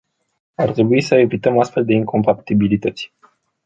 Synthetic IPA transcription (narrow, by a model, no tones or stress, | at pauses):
art̪ɾe̞buisəevit̪əmast̪fe̞ld̪e̞iŋko̞mpat̪ibilit̪ət̪sʲ